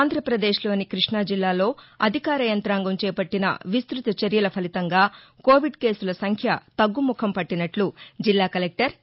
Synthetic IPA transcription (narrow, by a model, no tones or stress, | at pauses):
aːnd̪ʱɾɐpɾɐd̪e̞ːʃlo̞ːnikɾiʂɳaːd͡ʒilːaːlo̞ːɐd̪ʱikaːɾɐjɐnt̪ɾaːŋɡɐmt͡ʃɛːpɐʈːinɐ̰ʋist̪ɾut̪ɐt͡ʃɐɾjɐlɐpʰɐlit̪ɐŋɡaːko̞ːʋiɖke̞ːsulɐsɐŋkʰjɐt̪ɐɡːumukʰɐmpɐʈːinɐʈlud͡ʒilːaːkɐlek̚ʈɐɾ